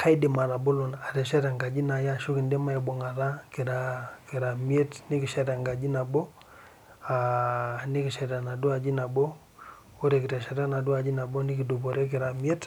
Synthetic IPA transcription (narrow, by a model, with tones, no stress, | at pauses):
kʰa˦i˦di˨ma˨ɾa˨bo˦lu˨na˨te˨ʃɛ˦ɾa˨ŋɡa˨d͡ʒi˦na˨ja˦ʃu˦ki˨nde˦ma˦e˨bɔ˨ŋa˨ɾa˦ki˨ɾa˨ki˨ɾa˨mi˦e˦tni˦ki˨ʃa˦ɾa˨ŋɡa˨d͡ʒi˦na˨bɔ˦ | a˨ni˦ki˨ʃɛ˨ɾa˨na˨du˦a˨d͡ʒi˦na˨bɔ˦ | o˦ɾe˨kɪ˨te˨ʃa˨ɾa˦na˨du˦a˨d͡ʒi˦na˨bo˦ni˦ki˨du˨bo˨ɾe˦k̬ɪ˨ɾa˨mi˦e˦t